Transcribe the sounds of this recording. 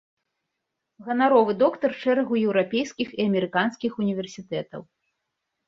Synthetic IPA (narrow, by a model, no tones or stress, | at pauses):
ɣɐnaɾɔvɨd̪ɔkt̪ɐrt͡ʂɛɾɐɣujɛwɾapʲejskʲixiɐmʲɛɾɨkanskʲixunʲivʲɛrsʲit̪ɛt̪ɐ̰w